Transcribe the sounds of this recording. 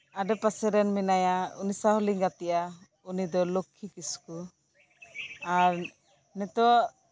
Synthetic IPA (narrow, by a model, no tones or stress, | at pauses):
aɖɛpasɛɾɛnminajaṵnisaɦɔliŋɡat̪ɛjʔa | unid̪ɔlokʰːikisku | aɾ | nɛt̪ɔ